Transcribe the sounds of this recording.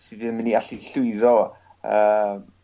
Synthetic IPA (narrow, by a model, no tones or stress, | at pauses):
sidiəmɪniaɬiɬʊɨðɔ | əm